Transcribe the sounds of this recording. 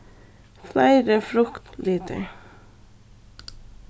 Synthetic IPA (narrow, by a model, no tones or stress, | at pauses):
flæɪɾəfɾʊkt̪liːt̪ʰə̰